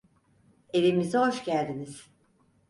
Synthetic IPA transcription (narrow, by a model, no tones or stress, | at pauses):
e̞vimizɛɦoʃcælʲd̪iniz̥